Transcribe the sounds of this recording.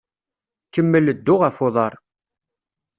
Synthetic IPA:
kəmːələd̪ːʊʁəfoðˤɑɾˤ

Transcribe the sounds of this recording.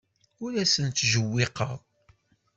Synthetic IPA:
ʊɾæsənt̪ːʒəwːɪqə̰ðˤ

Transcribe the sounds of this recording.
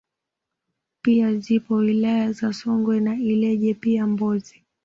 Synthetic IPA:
piazipɔwilajazasɔŋɡwɛnailɛʄɛpiambɔzi

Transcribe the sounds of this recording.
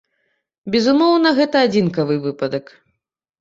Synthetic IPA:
bʲɛzumɔwnɐɣɛt̪ɐad͡zʲinkɐvɨvɨpɐd̪ɐk

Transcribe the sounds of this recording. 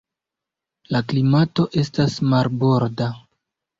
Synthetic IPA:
laklimato̞ʔe̞s̬tasmaɾbo̞ɾda

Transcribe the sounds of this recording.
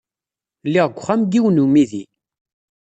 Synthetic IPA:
lːiʁɡʷːχæmɡiwnumiði

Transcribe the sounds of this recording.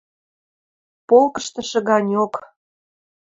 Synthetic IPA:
polkə̥ʃt̪ə̆ʃɤ̆ɣɑnʲok

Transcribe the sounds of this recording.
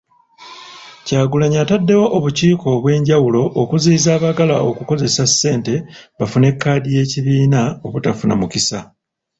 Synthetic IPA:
caːɡulaɲatadːe̞wo̞ʔoβuciːko̞ːβwe̞ːɲɟawulo̞ʔːkuziːzaːβaɡala̰ʔokuko̞ze̞sasːe̞ːnte̞βafune̞kːaːdije̞ːciβiːnao̞βutafuna̰mukisa

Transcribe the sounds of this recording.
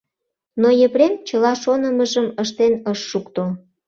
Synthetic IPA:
nojĕβɾemt͡ɕəlɑʃonəməʒəməʃt̪enəʃːukt̪o

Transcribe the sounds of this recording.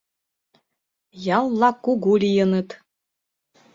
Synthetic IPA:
jɑlˠːɑkuɡulʲijɤ̆nɤt̪

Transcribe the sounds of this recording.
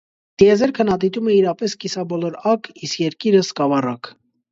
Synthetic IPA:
d̪̥iɛzɛɾkʰənɑt̪it̪umɛiɾɑpɛskisɑbɔlɔɾɑkʰiskjɛɾkiɾəskɑvɑrɑkʰ

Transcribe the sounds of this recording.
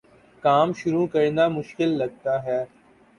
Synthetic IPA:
kaːmʃʊɾukɐɾnamʊʃkɪlːɐɡ̚t̪aːɦɛː

